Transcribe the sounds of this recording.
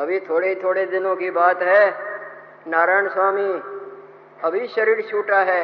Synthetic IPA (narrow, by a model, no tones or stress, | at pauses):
ɐbʱit̪ʰoːɽeit̪ʰoːɽed̪ɪnõkibaːt̪ɦɛː | naːɾaːɪɳ̃swaːmi | ɐbʱiʃɐɾiːɾʃuːʈaɦɛː